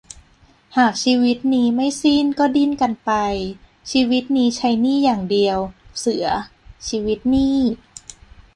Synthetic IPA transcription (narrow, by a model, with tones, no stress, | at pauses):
haː˨˩k̚t͡ɕʰiː˧wi˦˥t̪̚niː˦˥ma˥˩jsiː˥˩nkɔː˥˩di˥˩˨nka˧npa˧j | t͡ɕʰiː˧wi˦˥t̪̚niː˦˥t͡ɕʰa˦˥jniː˥˩jaː˨˩ŋdi˧əwsɯ˨˩˦ɐt͡ɕʰiː˧wi˦˥t̪̚niː˥˩